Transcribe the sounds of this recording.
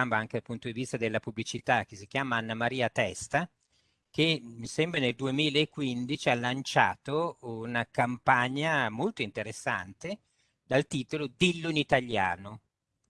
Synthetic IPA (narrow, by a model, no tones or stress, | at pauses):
ambaaŋk̟ed̪alpunt̪od̪ivist̪ad̪elːapublit͡ʃit̪ak̟es̬ik̟jaːmaanːamaɾiːat̪ɛst̪a | k̟emisɛmbɾeneld̪uemiːlaekːwind̪it͡ʃialːant͡ʃa̰ːt̪ounakampaɲːamolt̪oint̪eɾesːa̰nt̪e | d̪alt̪iːt̪olod̪ilːoinit̪aʎja̰ːno